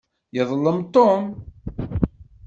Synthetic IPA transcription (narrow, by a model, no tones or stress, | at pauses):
jəðˤlːəmt̪ˤːom